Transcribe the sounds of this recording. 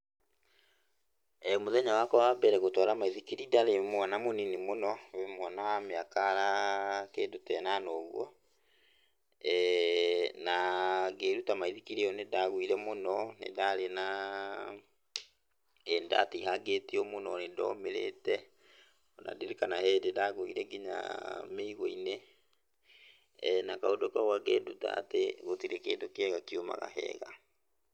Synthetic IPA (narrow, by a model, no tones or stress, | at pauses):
ɛmoðɛɲawakɔwabɛɾɛɣotɔɾamaiðikiɾidaɾemwanamoninimonɔwemwɔnawameakaɾakendotɛːnanɔːɣwɔ | ɛ | naɡeːɾutamaiðikiɾeɔnedaɣwiɾɛmonɔnḛdaɾena | ɛnda̰teɦaɡetiɔmonɔnedɔ̰meɾḛtɛ | ɔna̰deɾekanahɛːdedaɣoḭɾɛɡiɲa̰meiɣoine | nakaodɔkaɣwaɡeduta̰ːteɣotiɾekeːdokɛɣakioma̰ɣa̰ɦɛ̰ɣa̰